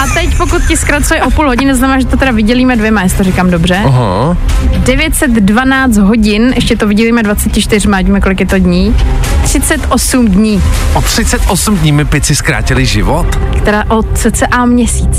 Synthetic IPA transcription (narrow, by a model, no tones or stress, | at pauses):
ʔat̪ɛcpokut̪̚cɪskɾat͡sujɛʔo̞puːlɦo̞ɟɪnznamɛnaːʒɛt̪ot̪ɛɾavɪɟɛliːmɛdvjɛmajasɪ̥t̪oɾɪkaːmdobr̝ɛɦo̰ | dɛvjɛt̪sɛt̪dvanaːt͡st̪ɦo̞ɟɪnʔɛʃcɛt̪ovɪɟɛliːmɛdvat͡sɛcɪt͡ʃt̪ɪr̝maɟmɛko̞lɪkjɛt̪odɲiːt̪r̝̥ɪt͡sɛt̪ʔosumdɲiːʔot̪r̝̥ɪt͡sɛt̪ʔosumdɲiːmɪpɪt͡sɪskɾa̰ːcɪlɪʒɪvot̪kt̪ɛɾaːʔot̪t͡sɛt͡sɛʔamɲɛsiːt͡s